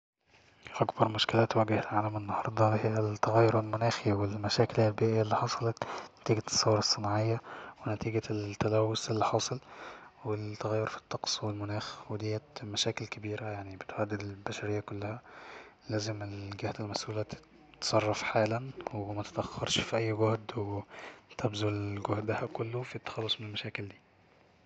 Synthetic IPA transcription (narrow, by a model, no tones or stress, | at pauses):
ʔækbɑɾˤmʊʃkɪlæːt̪wæɡɪhelʕaːlæmʔɪnːɑhɑɾˤd̪ˤɑht̪ːaɣæjːʊɾalmʊnæːxiwɪlmæʃæːkɪlhːælbiːʔɪjːæʔelːiːħɑsˤɑlɑt̪næt̪iːɡæt̪sˤːɑwːɑɾˤɑsˤːɨnɑʕejːawɪnæt̪iːɡæt̪ːælæwːʊsʔelːiħɑːsˤɑlwɪt̪ːæɣæjːoɾfi̥t̪ˤːɑqsˤwɪlmʊnæːxwed̪ɪjːæmæʃæːkɪlkabiːɾæjaʕnibɪt̪ʕad̪ːɪd̪ɪlbæʃæɾɪjːakʊlːæhæ | læːzɪmɪlɡaht̪ælmæsʔuːlæt̪ | t̪sˤɑrˤːɑfħaːlænwmæt̪e̥t̪ʔæxːɑɾˤʃfiʔæjːɡʊhd̪wet̪æbzuɡʊhd̪bahækʊlːofit̪ːɑ̥xɑlːosˤmɪnelmæʃæːkɪld̪iː